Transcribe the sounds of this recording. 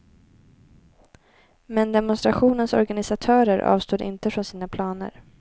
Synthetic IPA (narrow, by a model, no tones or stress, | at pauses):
mɛnd̪ɛmɔnst̪ɾaɧuːnənsɔ̰ɾɡanɪsat̪ʰœːɾəɾʔɑ̰ːvst̪uːd̪ʔɪ̰nt̪əfɾɔnsiːnapʰlɑːnə̰ɾ